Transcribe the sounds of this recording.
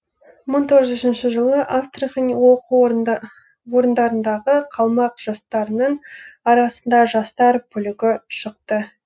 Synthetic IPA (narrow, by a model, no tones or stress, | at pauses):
məɴt̪ʰoʁəzʏʃɪnʃɪʒəlˠəʔast̪rəχinwo̞qu | wo̞ɾənd̪ɑɾənd̪ɑʁəqʰɑlˠmɑqʒ̥ɑst̪ɑɾənəɴɑɾɑsənd̪ɑʒɑst̪ɑɾpʰʏlɪɡʲɪʃəq̚t̪ə